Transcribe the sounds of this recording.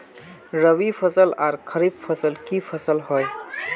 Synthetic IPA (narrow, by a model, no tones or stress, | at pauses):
ɾəʋipʰəsəlaɾkʰəɾibpʰəsəlkipʰəsəlɦoj